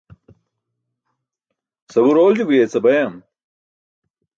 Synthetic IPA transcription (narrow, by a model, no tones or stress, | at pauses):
sɐbuɾoːld͡ʑubujet͡sɐbɐjɐm